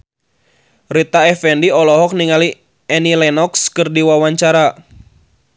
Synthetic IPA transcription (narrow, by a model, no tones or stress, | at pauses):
rit̪aɛfɛndiɔlɔɦɔk̚niŋali | ɛnilɛnɔkskɨrdiwawaɲt͡ʃaɾa